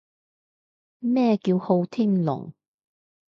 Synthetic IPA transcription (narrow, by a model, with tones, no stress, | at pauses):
mɛː˥kiː˧who˧wt̪ʰi˥ŋlʊ̰˨˩ŋ